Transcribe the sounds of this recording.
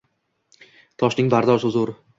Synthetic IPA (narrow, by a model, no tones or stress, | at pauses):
t̪ʰɒʃnɪŋbaɾd̪ɒʃʊzʊɾ